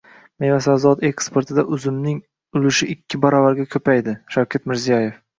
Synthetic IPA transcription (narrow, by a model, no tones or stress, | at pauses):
mejvasazɒt̪e̞kspe̞ɾt̪ʰɪd̪aʔʊzɪmnɪŋ | ʊlɪʃɪʔɪkʲʰːɪbaɾɒvaɾɡʲakʲʰɵpajd̪ɪʃawkʲʰat̪mɪɾzijaje̞f